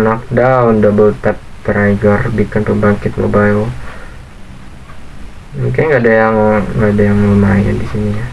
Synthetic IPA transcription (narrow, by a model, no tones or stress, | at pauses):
nak̚daʊndabəlt̪at̚t̪ːəɾaiɡarbikanpəmbaŋkɪt̪̚mo̰bajl | muŋkaŋɡadajaŋŋɡadajaŋmumaja̰ndisiniɲa